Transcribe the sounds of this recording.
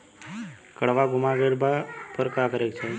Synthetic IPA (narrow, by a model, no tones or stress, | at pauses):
kəɽʋaɡʊmaɡeɾbapəɾkakəɾekt͡ʃʰe